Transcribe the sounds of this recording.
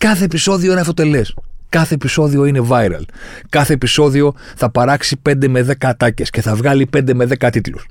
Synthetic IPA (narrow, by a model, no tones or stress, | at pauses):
kɐθe̞ːpiso̞ðioenɐfo̞t̪e̞le̞skɐθe̞ːpiso̞ðio̞ine̞vɐjɾɐ̰l | kɐθe̞ːpiso̞ðio̞ | θɐpɐɾɐksipe̞nd̪e̞me̞ðe̞kɐːt̪ɐce̞sce̞θɐvɣɐlipe̞nd̪e̞me̞ðe̞kɐt̪it̪lṵs